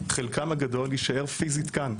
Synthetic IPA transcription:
χelkamaɡado̞ljiʃaʔe̞ʁfizit̪kan

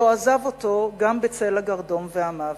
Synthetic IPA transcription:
oazavo̞to̞ɡambet͡selaɡaʁdo̞nveamav

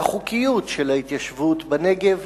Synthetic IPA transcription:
aχukijutʃelait̪jaʃvutbane̞ɡe̞v

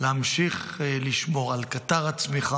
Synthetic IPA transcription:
leamʃiχliʃmo̞ʁalkat̪aʁat͡smiχa

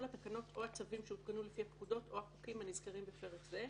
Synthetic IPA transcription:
lhat̪akano̞tʰo̞hat͡savimʃeutkanulefihapkud̪o̞to̞hapukimhanizkaʁimbifeʁetze

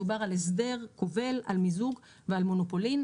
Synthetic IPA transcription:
ubaʁalesde̞ʁkove̞la̰lmizuɡ | vealmonopo̞lin

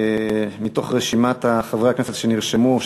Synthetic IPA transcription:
mit̪o̞χʁeʃimat̪aχavʁeakneset̪ʃeniʁʃemu

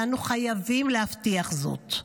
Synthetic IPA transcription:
anuχajavimlehaftiaχzo̰t̪

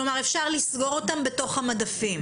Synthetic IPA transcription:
lomaʁefʃaʁlisɡo̞ʁo̞tambe̞to̞χhamadafim

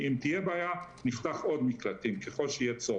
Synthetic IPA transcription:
imt̪ijebaːja | niχt̪aχʔo̞d̪miklat̪imkeχo̞lʃeijet͡so

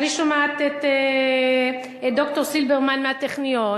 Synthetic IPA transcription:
niʃomaat̪et̪e | d̪o̞ktoʁsilbeʁmanmeat̪eχnijo

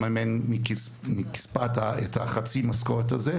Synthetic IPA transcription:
mamenmikmiki̥spat̪aethaχat͡simaskoʁetaze

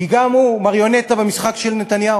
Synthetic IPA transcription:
iɡamumaʁjo̞net̪abemisχakʃelnet̪anjau

